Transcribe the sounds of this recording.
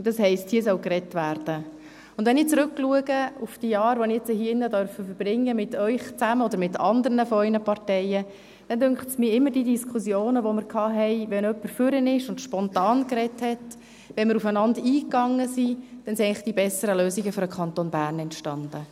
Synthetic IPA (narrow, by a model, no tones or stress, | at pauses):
d̥ɑshɛɪsthiːəs̬œwkrɛtʋæːrd̥ə | ʊnd̥ʋɛnɪt͡sɾʏkːluəɡəufd̥ijɑːɾʋonɪɛt͡səhiɪnːədœɾfəfəɾb̥ɾɪŋːəmɪtœʏχt͡sæməɔd̪əɾmɪtɑnd̪əɾnəfɔœʏnəpɑrtɛɪə | d̥ɛndʏŋkχtsmiːɪmːəɾdiːdiskʰχusjoːnəʋomɪɾkʰɑːɦɛɪʋɛnœpːəɾfʏɾənɪʃʊndʃpɔntɑːnkɾɛthɛt | ʋɛnmɪɾufənɑndiːkːɑŋːəsid̥ɛnsiɛɪŋlɪχd̥ibɛsəɾəløːsiɡəfyɾəkʰχɑntonbæːɾnɛntʃtɑnd̥ə